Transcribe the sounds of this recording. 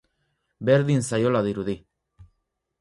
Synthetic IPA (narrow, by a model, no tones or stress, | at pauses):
be̞ɾðinsajo̞laðiɾuði